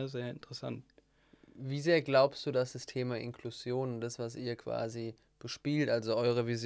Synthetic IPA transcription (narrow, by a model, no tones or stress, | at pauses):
zeːɐɪntəʁəsa̰nt̚ | viːzeːɐɡlaʊpstd̥uːdasd̥astʰeːmaʔɪ̰nkʰluzjoːnʊntd̥asv̥asʔiːɐkv̥a̰ːzi | b̥əʃpiːltʔalzoʔɔʏʁ̞əvizj